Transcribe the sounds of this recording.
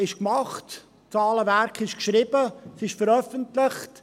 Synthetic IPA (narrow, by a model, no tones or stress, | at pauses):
ɪʃkmɑχt | t͡sɑːləvæɾkχɪʃkʃɾɪbəsɪʃfəɾœfəntlɪχt